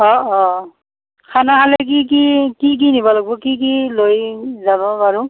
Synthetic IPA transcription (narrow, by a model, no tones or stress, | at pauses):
ɔɔ | kʰanaɦalek̬ik̬ikik̬inibɔlaɡ̚bɔkik̬ilojzaβɔpaɹu